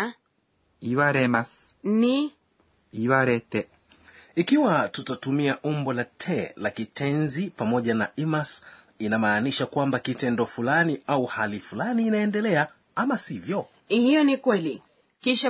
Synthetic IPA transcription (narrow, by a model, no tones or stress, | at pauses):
iwaɾɛmas | ni | iwaɾɛtɛ | ikiwatutatumiaʔumbɔlatʰɛlakitɛnzipamɔʄanaʔimas | inamaːniʃakwambakitɛndɔfulaniʔauhalifulaniːnaɛndɛlɛa | amasivjɔ | hijɔnikwɛli | kiʃa